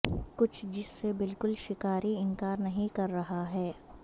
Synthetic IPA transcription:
kʊt͡ʃʰd͡ʒɪsːebɪlkʊlʃɪkaːɾiɪ̃ŋkaːɾnɐɦĩkɐɾːɐɦaɦɛː

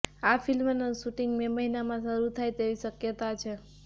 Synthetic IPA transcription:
afʰilmənəʃuʈiŋɡmeməɦinamãsəɾut̪ʰajt̪eʋiʃəkjət̪at͡ʃʰe

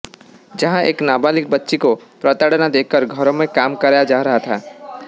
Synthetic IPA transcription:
d͡ʒɐɦãeːknaːbaːlɪk̚bɐtːʃikopɾɐt̪aːɽnad̪eːkʰkəɾɡʱɐɾõmẽkaːmkɐɾaːjad͡ʒaːɾɐɦat̪ʰaː

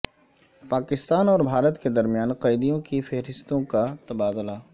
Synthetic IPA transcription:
paːkɪst̪aːnɔːɾbʱaːɾət̪ked̪ɐɾmijaːnqɐɪd̪ijõkifɛɦɾɪst̪õkat̪ɐbaːd̪ʊlaː

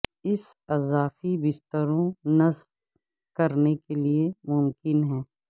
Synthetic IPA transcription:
ɪsɐzaːfibɪst̪əɾõnɐzb | kɐɾnekeliemʊmkɪnɦɛ̃ː

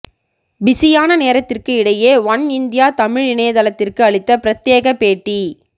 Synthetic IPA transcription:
bɪsɪjaːnɐneːɾɐt̪ːɪrkɯɪɽɐjeːʋɐnɪnd̪ɪjaːt̪ɐmɪɻɪɳeːðɐlɐt̪ːɪrkɯɐɭɪt̪ːɐpɪɾɐt̪ːjeːɣɐpeːʈːi

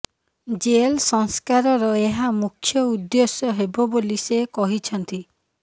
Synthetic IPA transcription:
d͡ʒelsɔŋskaɾɔɾɔeɦamukʰːjɔud̪josjɔɦebɔbolisekɔɦit͡ʃʰɔnt̪i

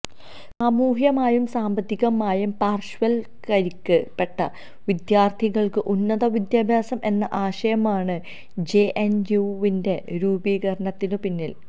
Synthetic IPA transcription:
sɐmuːɦjɐmaːjumsaːmbɐt̪ːiɣɐmaːjumpaːrʂʋɐl | kɐɾikːɐpːe̞ʈːɐ | ʋid̪jaːrt̪ʰiɣɐɭkɨʔunːɐðɐʋid̪jaːbʱjaːsɐmʔe̞nːɐʔaːɕɐjɐmaːɳɨ | d͡ʑeʔenuʋinde̞ɾuːbiːɣɐɾɐɳɐt̪ːinɨpinːil

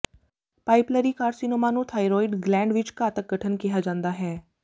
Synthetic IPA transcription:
paːɪpləɾiːkaːɾsinoːmaːnũːt̪ʰaːiɾoːɪɖɡlɛ̃ːɳɖʋɪt͡ʃkaːt̪ək̚ɡəʈʰənkɪjaːd͡ʒãːnd̪aːɦɛː

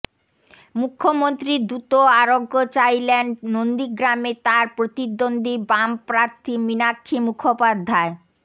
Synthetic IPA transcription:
mukʰːomont̪ɾiɾd̪ɾut̪oaɾoɡːot͡ɕajlennond̪iɡɾamet̪aɾpɾot̪id̪ːond̪ibampɾaɾt̪ʰiminakʰːimukʰopad̪ʱːae

